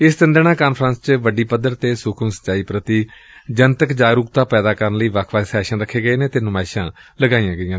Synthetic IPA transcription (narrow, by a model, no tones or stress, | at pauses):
ɪst̪ənd̪əɽ̃ãːkaːnpʰɾãːnst͡ʃʋəɖiːpəd̪ːəɾt̪eːsʊkʰəmsə̥t͡ʃaːiːpɾət̪iː | d͡ʒənt̪əkd͡ʒaːɾuːk̚t̪aːpɛːd̪aːkəɾənləiːʋəkʰʋaːsɛːʃãːɾəkʰːeːɡəeːneːt̪eːnʊmaːɪʃãːləɡaːijãːɡəijãː